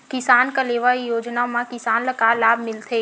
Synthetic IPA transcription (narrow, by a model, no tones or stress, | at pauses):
kɪsaːnkaleːʋaijoːd͡ʒnamãkɪsaːnləkaːlaːbʱmɪlt̪ʰeː